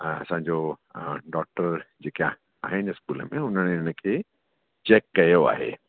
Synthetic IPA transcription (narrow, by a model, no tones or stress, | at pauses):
ɐ̰sãd͡ʒo | ɖɔːk̚ʈəɾd͡ʒeka | a̰ːɦenɪskuːlmḛ̃ʊnəñnikʰe | t͡ʃɛːkːɐjoa̰ːɦḛ